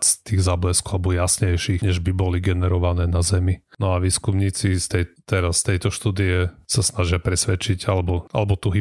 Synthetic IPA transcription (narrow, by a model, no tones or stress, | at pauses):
t͡st̪iːɣzaːblɛskɔalɛbɔjasɲɛjʃixɲɛʒbibɔliɡɛnɛɾɔʋanɛːnazɛminɔaʋiːskumɲiːt͡sist̪ɛjt̪ɛɾast̪ɛjt̪ɔʃt̪uːd̪iɛsasnaʒɪapɾɛsʋɛt͡ʃiɟalɛbɔʔalɛbɔt̪uɦi